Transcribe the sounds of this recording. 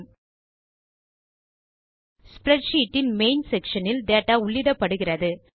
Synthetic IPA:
spɾɛʈʂiːʈːɪnmeɪnsɛkʂɐnɪlɖeːʈːaːʊɭːɪɽɐpːɐɽɯɣɪrɐðɯ

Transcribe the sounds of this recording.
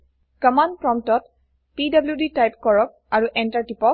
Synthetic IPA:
kəmandpɹɔmtɔt | pidabljuditajpkɔɹɔk̚aɹuʔɛntaɹtipɔk̚

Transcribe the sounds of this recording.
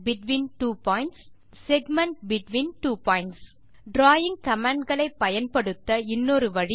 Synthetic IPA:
bɪʈʋiːnʈuːpaːjɪɳʈsː | ɛɡmɐɳʈbɪʈʋiːnʈuːpaːjɪɳʈs | ɖɾaːjɪŋkɐmaːɳɖɡɐɭɐɪpːɐjɐnpɐɽɯt̪ːɐɪnːoɾɯʋɐɻi

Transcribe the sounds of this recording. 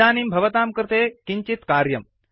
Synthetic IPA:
aːnimbʱɐʋɐt̪aːmkɾt̪eːkiɲt͡ʃit̪kaːɾjɐm

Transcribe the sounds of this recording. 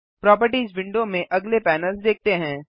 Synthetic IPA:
pɾɔːp̬əɾʈiːzʋɪ̃ɳɖomẽʔɐɡlepɛːnəlsd̪eːk̚ʰt̪eɦɛ̃ː

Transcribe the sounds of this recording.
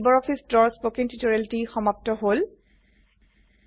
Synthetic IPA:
bɔɹɔpʰisdɹɔɹspokiŋtitɔɹɛltixɔmap̚tɔɦol

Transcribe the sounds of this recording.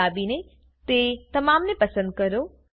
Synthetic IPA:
aːbinẽ | t̪et̪ɐmaːmnẽpɐsə̃nd̪̚kɐɾo

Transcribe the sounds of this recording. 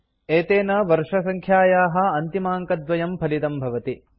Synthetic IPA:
eːt̪eːnɐʋɐɾʂɐsɐŋkʰjaːjaːɦɐ̆ɐnt̪imaːŋkɐd̪ʋɐjɐmpʰɐlit̪ɐmbʱɐʋɐt̪i

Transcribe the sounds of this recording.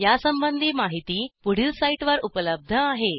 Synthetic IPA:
jasəmbənd̪ʱiːmaɦit̪iːpuɽ̤iːlsaiʈʋəɾupələb̚d̪ʱəaɦe

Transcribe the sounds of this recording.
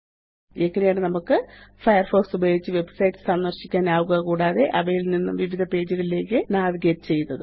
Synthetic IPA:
ekːɐnejaːɳɨnɐmukːɨfɐjɐrfoːksubɐjoːɡit͡ɕːɨʋe̞bsɐjtːɨ̥sɐnːɐrɕikʲːaːnaːʋuɣɐkuːɽaːðe̞ʔɐʋɐjilninːṵmʋiʋid̪ʱɐpe̞ːd͡ʑuɣɐɭile̞ːkːɨnaːðiɡeːtːɨt͡ɕe̞junːɐðɨ

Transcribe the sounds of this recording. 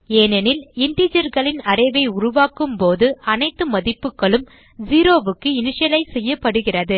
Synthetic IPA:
eːnɛnɪlɪɳɖid͡ʒɐɾɣɐɭɪnɐɾɐɪʋɐɪʊɾʊʋaːkɯmpoːðɯʔɐnɐɪt̪ːɯmɐðɪpːɯkːɐɭɯm | d͡ʒiːɾoːʋɯkːɯɪnɪʂɐlɐɪsɛjːɐpːɐɽɯɣɪrɐðɯ

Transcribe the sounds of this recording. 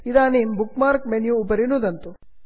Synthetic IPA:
id̪aːnimbukmaːɾkmenjuːpɐɾinud̪ɐnt̪u

